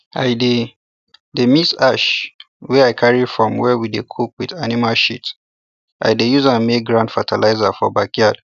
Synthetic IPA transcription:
ʔajde | demisaʃ | wɛajkʰaɹifɹɔ̃mwɛwidekʰuk̚widanimalʃḭt | ʔa̰jdejuzãnmek̚ɡɹãndfatʰalʔaɪzafɔbakiad̥

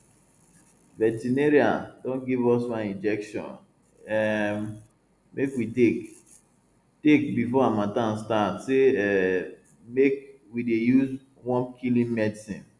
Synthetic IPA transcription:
vɛtineɾiadõnɡivɔsmaĩnd͡ʒɛkʃɔ̰̃n | ɛm | mekwite | tekbifɔamãtãnstatseɛ | mekwidejuz | wɔ̃nkʰilĩnmɛdsḭ̃n

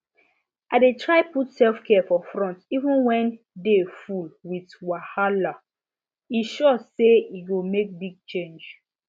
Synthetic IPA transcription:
ʔaɪdetʰɹaɪputsɛlfkʰɛfɔfɹɔ̃ntivə̃nwɛ̃n | defulwitwahala | iʃɔseiɡomek̚biɡ̚t͡ʃẽnd͡ʒ

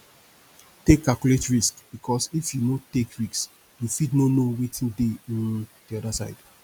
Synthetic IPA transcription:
tekːakjuletɹiskb̥ikʰɔsifjunotekɹiks | jufitnonowetĩndeɔ̃ndiɔdasaɪd̥

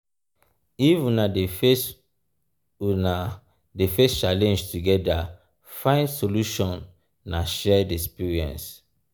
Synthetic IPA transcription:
ifunadefs | una | defest͡ʃalɛ̃nd͡ʒtuɡɛda | fãɪ̃ndsoluʃɔ̃nː | aʃɛdiɛkspiɹiɛ̰̃ns

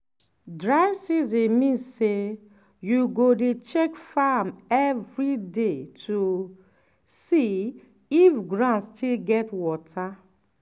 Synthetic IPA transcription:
dɹaɪsizĩnmĩnsse | juɡodet͡ʃɛkfamɛvɹidetʰu | si | ifɡɹãnstʰilɡɛtwɔtʰa

